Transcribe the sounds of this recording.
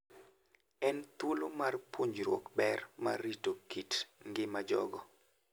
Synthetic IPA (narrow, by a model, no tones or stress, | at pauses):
ɛnt̪wolomarpʰoɲd͡ʒɾwɔ̰kbɛrma̰ɾitokitŋɡɪmad͡ʒɔ̰ɡɔ